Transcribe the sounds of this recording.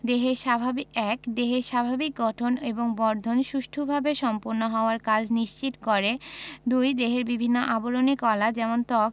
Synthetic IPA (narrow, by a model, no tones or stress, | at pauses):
d̪eɦeɾʃabʱabiɛkd̪eɦeɾʃabʱabik̚ɡɔʈʰoneboŋbɔɾd̪ʱonʃuʃʈʰobʱabeʃɔmpuɾnoɦɔoaɾkad͡ʑniʃt͡ɕit̪koɾed̪ujd̪eɦeɾbibʱinːoʔaboɾonikɔlad͡ʑɛmont̪ɔk̚